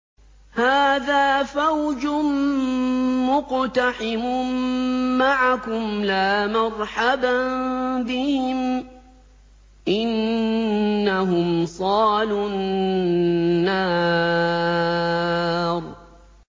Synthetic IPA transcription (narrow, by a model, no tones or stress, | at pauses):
haːðaːfawd͡ʒʊn | mːʊqt̪aħɪmʊ | maʕakʊmlaːmɑɾˤħabanbɪhɪm | ʔɪnː | aɦʊmsˤɑːlʊn | aː | ɾˤ